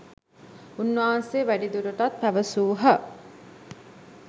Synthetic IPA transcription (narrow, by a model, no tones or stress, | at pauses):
unːaɦanseːʋæɖid̪uɾəʈat̪̚pæʋəsuːɦə